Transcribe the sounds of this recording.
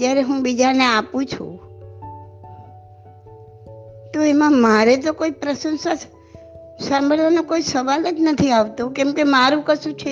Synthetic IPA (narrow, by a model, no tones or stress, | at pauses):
jaɾeɦũbid͡ʒaneapũt͡ʃʰṵ̃ | t̪oemãmaɾet̪̬okoipɾəsənsa | sãmbʱəɭʋanokoisəʋalət̪nət̪ʰiaʋt̪okɛmkemaɾũkəʃũt͡ʃʰe